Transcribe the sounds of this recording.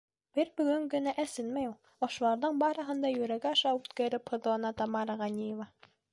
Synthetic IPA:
b̥ɘɾbɵ̆ɡɵŋɡɵ̆næʔæsɘnmæjulˠ | ɒʃulˠɑɾðɤɴbɑɾɤ̆ɦɤ̆nd̪ɑjɵ̆ɾæɡæɑʃɑʉt̪kæɾɘphɤ̆ðlˠɑnɑt̪ɑmɑɾɑʁɑnʲijevɑ

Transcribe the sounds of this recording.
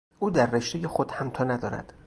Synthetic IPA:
ʔuːd̪æɾːeʃt̪ejexod̪̥hæmt̪ʰɒːnæd̪ɒːɾæ̰d̪̥

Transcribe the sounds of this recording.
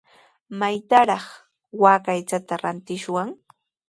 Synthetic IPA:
majt̪aɾɑχ | waːkajt͡ʃat̪aɾant̪ɪʃwaŋ

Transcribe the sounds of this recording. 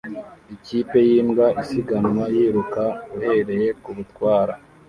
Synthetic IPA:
iciːpe̞jiːmɡaisiɡanwajiːɾukaɡuhe̞ɾe̞je̞kuβutkwaːɾa

